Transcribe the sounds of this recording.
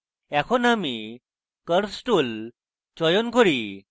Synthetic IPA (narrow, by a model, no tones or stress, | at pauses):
ɛkʰɔnami | kəɾsʈul | t͡ɕɔjɔnkɔɾi